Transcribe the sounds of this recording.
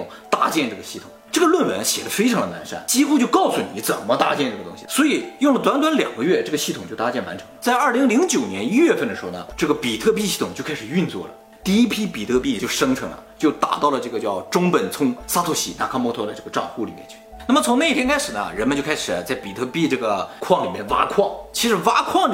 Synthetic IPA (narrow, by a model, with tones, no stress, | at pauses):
ʊ̰˨˩ŋt̪a˥t͡ɕjɛ˥˧nʈ͡ʂɤ˥˩ə˩ɕi˥˩ʊ̥̰˨˩˦ʈ͡ʂɤ˥˩ɡə˩lwə˥˩nwə̰˧˥nɕjɛ˨˩d̪ə˦fe˥ɪʈ͡ʂʰɑ˧˥ŋd̪ə˧na˧˥nʂa̰˥˩nt͡ɕi˥xu˥t͡ɕjo˥˧ʊkɑ˥˩ʊsu˧˩ni˧˥t͡sə˨˩nmə˦t̪a̰˥t͡ɕjɛ˥˧nʈ͡ʂɤ˥˩ɡə˩t̪ʊ̰˥ŋɕi˨˩swɔ˧˥i˨˩jʊ˥˩ŋlə˩t̪wa˧˥nt̪wa˧˥nljɑ̰˨˩ŋɡə˦ɥɛ˥˧ʈ͡ʂɤ˥˩ɡə˩ɕi˥˩t̪ʰʊ˨˩t͡ɕjo˥˩t̪a˥t͡ɕjɛ˥˩nwa˧˥nʈ͡ʂʰɤ̥˧˥ŋt͡sa˥˧ɪɐ˞˥˩li˧˥ŋli˧˥ŋt͡ɕjo˨˩ʊnjɛ˧˥ni˥ɥɛ˥˧fə˥˩nd̪ə˩ʂɻ̩˧xo˧˥nə̰˧˩ʈ͡ʂɤ˥˩ɡə˩pi˨˩t̪ʰɤ˥˧pi˥˧ɕi˥˩t̪ʰʊ˨˩ŋt͡ɕo˥˧ʊkʰa˥ʂɻ̩˨˩y˥˧nt͡swɔ̰˥˩lə̰˩ | t̪i˥˧i˥pʰi˥pi˨˩t̪ʰɤ˥˧pi˥˩t͡ɕjo˥˩ʊʂɤ˥ŋʈ͡ʂʰɤ˧˥ŋlə̰˧t͡ɕjo˥˩ʊt̪a̰˨˩t̪ɑ˥˩ʊlə˩ʈ͡ʂɤ˥˩ɡə˩t͡ɕjɑ˥˩ʊʈ͡ʂʊ˥ŋpə˨˩nt͡sʰʊ˥ŋsa˥t̪ʰo˧˥˩ɕḭ˨˥˩na̰˧˩kʰa˥mwɔ˧˥t̪ʰɔ˥d̪ə˧ʈ͡ʂɤ˥˩ɡə˩ʈ͡ʂɑ̰˥˧ŋxu˥˩li˨˩mjɛ̰˧˥nt͡ɕʰy˥˩na˥˩mə˩t͡sʰʊ˧˥ŋna˥˩i˧t̪ʰjɛ˥ŋkʰa˥ɪʂɻ̩˨˩nə̰˦ɻə˧˥nmə˧t͡ɕjo˥˧kʰa˥ɪʂɻ̩˨˩˦t͡sa˥˩ɪpi˨˩t̪ʰɤ˥˧pi˥˧ʈ͡ʂɤ˥˩ɡə˩kʰwɑ˥˩ŋli˨˩mjɛ˥˧nwa̰˥kʰwɑ˥˩ŋt͡ɕʰi˧˥ʂɻ̩˨˩wa˥kʰwɑ˥˩ŋ